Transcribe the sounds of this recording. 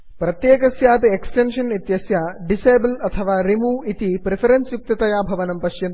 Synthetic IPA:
pɾɐt̪jeːkɐsjaːt̪ieksʈenʂɐnit̪jɐsjaːɖiseːblɐt̪ʰɐʋaːɾimuːit̪ipɾepʰɐɾensjuk̚t̪ɐt̪ɐjaːbʱɐʋɐnɐmpɐʃjɐn

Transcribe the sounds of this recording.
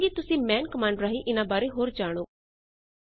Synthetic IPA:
ɡit̪ʊsĩːmɛ̃ːnkəmãːɳɖɾaːɦiʔɪnãːbaːɾeɦoːɾd͡ʒaːɽ̃oː

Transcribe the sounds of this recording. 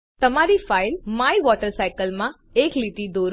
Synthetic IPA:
t̪əmaɾifailmaiʋɔʈəɾsajkəlmã | eklit̪id̪oɾ

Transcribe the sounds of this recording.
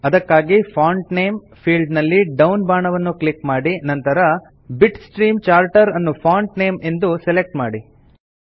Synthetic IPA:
ɐd̪ɐkːaːɡipʰaːɳʈne̞ːm | pʰiːlɖnɐlːiɖɐwnbaːɳɐʋɐnːuklikmaːɽinɐnt̪ɐɾɐ | biʈsʈɾiːmt͡ʃaːɾʈɐɾɐnːupʰaːɳʈneːme̞nd̪uselek̚ʈma̰ːɽi

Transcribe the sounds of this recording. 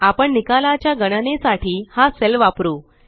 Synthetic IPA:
apəɳnikalat͡ɕjaɡəɽ̃ənesaʈʰiːhaselʋapɾuː

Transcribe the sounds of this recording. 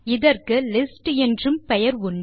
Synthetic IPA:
ɪðɐrkɯlɪsʈɛndrɯmpɛjɐɾʊɳɖɯ

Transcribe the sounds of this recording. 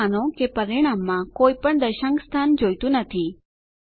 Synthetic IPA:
anõkepəɾiɽ̃amːãkoipəɳd̪əɾʃãŋkst̪ʰand͡ʒojt̪ũnət̪ʰi

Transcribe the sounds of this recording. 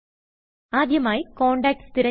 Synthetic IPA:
aːd̪ʱjɐmaːjikoːɳɖaːk̚ʈst̪iɾɐ

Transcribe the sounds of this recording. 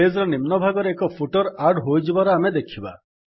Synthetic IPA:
ezɾɔnimnɔbʱaɡɔɾeːkɔpʰuʈɔɾaɾɖɦojd͡ʒʰibaɾɔamed̪ekʰiba̰

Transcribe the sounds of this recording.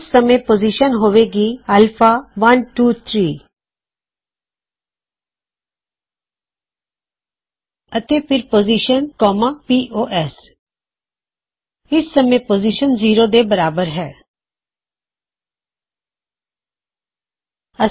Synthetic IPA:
sːəmẽːpoːziːʃənɦoːʋeːɡiːəlfʰaːʋənʈuːt̪ʰɾiː | ət̪eːpʰɪɾpoːziːʃənkɔːmãːpiːʔoːʔɛːs | ɪsːəmẽːpoːziʃənziːɾoːd̪eːbəɾaːbəɾɦɛː | ə

